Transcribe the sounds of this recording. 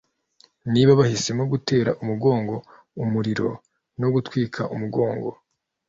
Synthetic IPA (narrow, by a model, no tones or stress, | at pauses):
niːβaβahisemoɡute̞ːɾaʔumuɡo̞ːŋɡo̞ | umuɾiɾo̞ | no̞ɡutwiːkʰaʔumuɡo̞ːŋɡo̞̰